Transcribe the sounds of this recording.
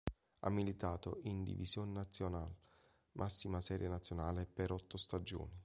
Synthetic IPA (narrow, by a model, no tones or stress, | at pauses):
a̰mːilit̪aːt̪oʔind̪ḭvḭsjonenat̪sːjonal | mʔasːimasɛːɾjenat̪sjonaːlepeɾɔt̪ːost̪ad͡ʒo̰ːni